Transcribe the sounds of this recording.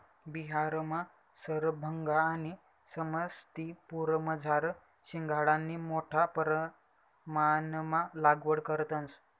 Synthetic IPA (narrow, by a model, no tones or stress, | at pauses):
biɦaɾma | səɾbʱəŋɡaːni | səməst̪ipuɾməd͡zʱaɾ | ɕiŋɡʱaɽãnːimoʈʰapəɾ | manmalaɡʋəɽkəɾt̪əns